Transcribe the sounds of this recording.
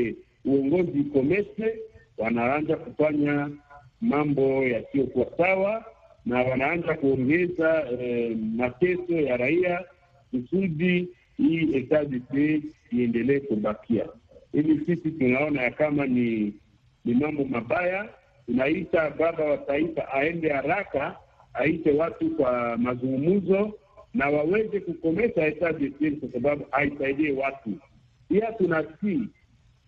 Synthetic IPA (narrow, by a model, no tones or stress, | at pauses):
uɔŋɡɔzikomɛsɛ | wanaand͡ʒakufaɲamambɔjasiokuasawa | nawanaand͡ʒakuɔŋɡɛza | matɛsɔjaɾaija | kusudi | ietazise | iɛndelɛekubakʰia̰ilisisitunaɔnajakamani | nimambɔmabaja | tunaitababawataifaʔaɛndɛhaɾaka | aitɛwatukwamazuŋɡumuzɔ | nawawɛzɛkukɔmɛsaetadipelkwasababuʔaisaidiɛwatu | piatunasi